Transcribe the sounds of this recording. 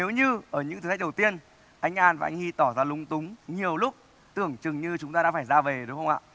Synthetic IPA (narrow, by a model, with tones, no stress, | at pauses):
ne˨˦wɲɨ˧ʔəː˧˩ɲɨ̰˧˥ŋt̪ɨ˨˩˨ɗwt̪i˧ən | ʔa˧jŋ̟ʔaː˧nvaː˨˩ʔa̰˧jŋ̟hi˧t̪ɔ˧˩zaː˧lʊ˨˦ŋ͡mt̪ʊ˨˦ŋ͡mɲi˨˩əwlʊ˦˥k͡p̚ | t̪ɨ˧˩əŋt͡ɕɨ˨˩ŋɲɨ˧t͡ɕʊ˨˦ŋ͡mt̪aː˧ɗa̰ː˧˥faː˧˩jzaː˧ve˨˩ɗʊ˨˦ŋ͡mxə˧ŋ͡mʔa̰ː˧˨